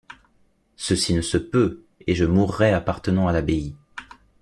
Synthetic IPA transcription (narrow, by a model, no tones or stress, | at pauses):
səsinəsəpø | eʒəmuʁːɛapaʁt̪ənɑ̃alabei